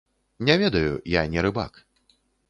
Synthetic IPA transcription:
nʲɛvʲɛd̪ɐjṵjanʲɛɾɨba̰k

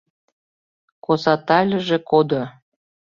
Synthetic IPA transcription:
kosɑt̪ɑlʲə̆ʒekod̪o

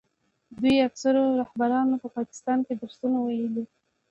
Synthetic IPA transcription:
d̪ujaksaɾoɾahbaɾɑnopəpɑkɪ̥st̪ɑnkeb̪əɾsunawajəli

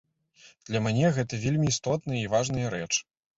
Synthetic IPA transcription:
d̪̥lʲɐmʲnʲɛɣɛt̪ɐvʲelʲmʲiːst̪ɔt̪̚nɨjɐivaʐnɨjɐɾɛt͡ʂ

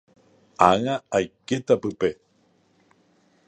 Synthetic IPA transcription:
aŋaːjket̪apɨpe

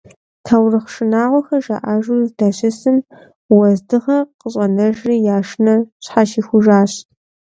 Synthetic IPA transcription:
tʰɐwrɨχʂɪnaːʁʷɔxɐʒɐ̰ʔaːʒʊd̥ɐɕɪsɨm | wɐzdɨʁɐqəɕʼɐnɐʒriːjaːʂnɐɕħaʃiːxʷʊʒaːɕ

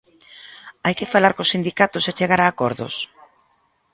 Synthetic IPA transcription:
ajkɪfalaɾkosind̪ikat̪ʊset͡ʃeɣaɾaːkɔɾðo̰s

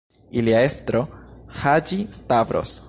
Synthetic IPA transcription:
iliaest̪ɾohad͡ʒistavɾo̰s

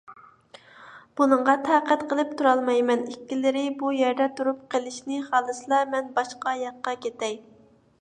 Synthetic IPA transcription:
b̥unɨɴʁɑt̪ʰæqæt̪qʰəlˠɨpt̪ʰuɾɑlˠmɑjmɛnikʲːilɪɾɪbujɛɾd̪ɛt̪ʰuɾup̚qʰəlˠɪʃnɪχɑːlˠɨsɨlˠɑmɛnbɑʃqɑjɑqːɑkʲet̪ɛj

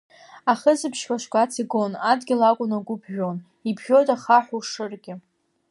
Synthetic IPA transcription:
aχəzɨpʰʃkʷaʂkʷʼat͡sʰiɡo̞nadɡʲɪlakʷʼʊnaɡʷʊbʰʒᶣo̞n | ibʰʒʲo̞jtʼaχaħʷuʂɨrɡʲɪ

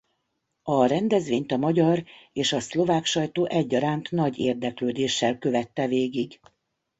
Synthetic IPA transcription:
ɒrɛnd̪ɛzʋeːɲt̪ɒmɒɟɒreːʃɒslo̞vaːkʃɒjt̪oːʔɛɟːɒɾaːnt̪nɒɟḛːrd̪ɛkløːd̪eːʃːɛlkø̞vɛt̪ːɛveːɡiɡ

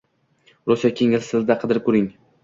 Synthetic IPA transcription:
ɾosjakʲʰeŋɪlsɪzd̪aqʰɨd̪ɪɾkʰɵɾɪŋ

